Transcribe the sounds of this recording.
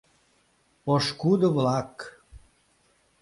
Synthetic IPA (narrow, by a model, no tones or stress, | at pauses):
oʃkud̪əβlɑk